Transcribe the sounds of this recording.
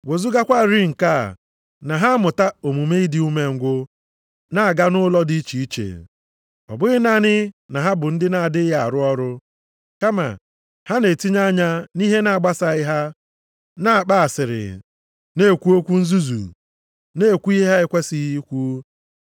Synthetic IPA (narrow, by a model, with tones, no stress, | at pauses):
wo˨zu˦ɡa˦kʷa˦˨ɾɪ˦ŋ̩˨ka̰˦˨ | na˨ɦa˦mʊ˨ta˦o˨mu˨me˦i˦dɪ˦u˦me˨ŋ̩˨ɡʷʊ˦ | na˦a˨ɡa˦nʊ˦lɔ˦di˦t͡ʃi˨i˦t͡ʃḛ˨ | ɔ̰˨bʊ˦ɣɪ˦na˦nɪ˦na˨ɦa˦bʊ˨n̩˦dɪ˦na˨a˨dɪ˦ja˨a̰˨ɾʊ˦ɔ˦ɾʊ˦ | ka˦ma̰˨ | ha˦ne˨ti˦ɲa˦ɲa˦ni˦ɦe˦na˨a˨ɡ͡ba˦sa˨ɪ˦ɦa˦ | na˦a˨k͡pa˦a˨sɪ˨ɾɪ̰˨ | ne˦˨kʷu˦o˦kʷu˦n̩˦zu˦zṵ˨ | ne˦˨kʷu˦i˦ɦa˦ɪ˦kʷe˦si˦i˦kʷu˦